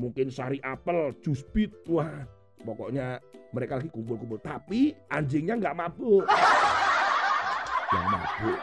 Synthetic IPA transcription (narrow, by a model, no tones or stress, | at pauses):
muŋkɪnsaɾiʔapəl̥d͡ʒ̥uspit̪̚wah | pɔkɔʔɲaməɾekalaɡikumpʊlkumpʊlt̪apiʔaɲd͡ʒɪŋɲaŋɡaʔmab̥ʊʔ | ja̰ŋma̰b̥ʊʔ